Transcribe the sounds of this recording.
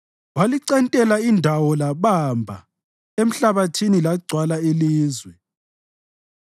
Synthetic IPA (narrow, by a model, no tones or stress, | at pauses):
waliǀɛntʼɛlaindʱawɔlaβambʱa̰ | em̩ɬaβatʰinilaɡ͡ǀʱwalailiːzwɛ